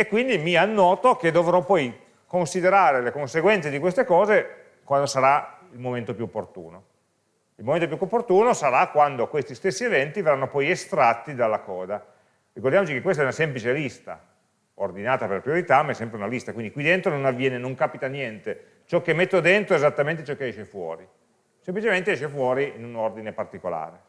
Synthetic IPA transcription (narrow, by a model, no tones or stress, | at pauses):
ekːwind̪imianːɔːt̪oked̪ovɾɔpːɔj | konsid̪eɾaːɾelekonseɡwɛnt̪sed̪ikwest̪ekɔːze | kwand̪osaɾailmoment̪opjuopːort̪ṵːno | ilmoment̪op̬juukːopːort̪uːnosaɾakwand̪okwest̪ist̪esːievɛnt̪iverːanːopɔjest̪ɾat̪ːid̪alːakɔːd̪a | rikord̪jamot͡ʃikekːwest̪ɛunasemplit͡ʃelist̪a̰ | ord̪inaːt̪apeɾlapɾioɾit̪amaɛsːɛmpɾeunalist̪akwind̪ikwid̪ent̪ɾononavːjɛːnenoŋkaːpit̪anjɛnt̪e | t͡ʃɔkːemːet̪ːod̪ent̪ɾoezat̪ːamẽnt̪et͡ʃɔkːeɛʃefwɔ̰ːɾi | semplit͡ʃement̪eɛʃefwɔːɾiinunord̪inepart̪ikola̰ːɾe